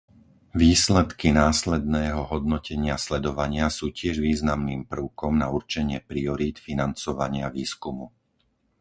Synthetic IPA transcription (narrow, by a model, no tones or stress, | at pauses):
ʋiːslɛt̪kinaːslɛd̪nɛːɦɔɦɔd̪nɔcʰɛɲɪaslɛd̪ɔʋaɲɪasuːcɪɛʒʋiːznamniːmpr̩ʊkɔmnauɾt͡ʃɛɲɪɛpɾiɔɾiːt̪finant͡sɔʋaɲɪaʋiːskumu